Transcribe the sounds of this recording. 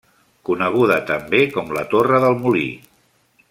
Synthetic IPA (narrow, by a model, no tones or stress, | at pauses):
kunəɣ̞uðət̪əmbekɔmlə̰t̪orəðəlˠmulḭ